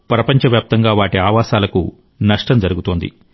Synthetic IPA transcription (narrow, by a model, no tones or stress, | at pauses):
pɾɐpɐɲt͡ʃɐʋjaːp̚t̪ɐŋɡaːʋaːʈiaːʋaːsaːlɐkṵ | nɐʂʈɐmd͡ʒɐɾuɡut̪oːnd̪ḭ